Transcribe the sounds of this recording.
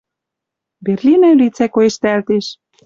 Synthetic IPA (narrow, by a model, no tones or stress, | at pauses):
berlʲinælʲit͡sækoeʃt̪æælt̪eʃ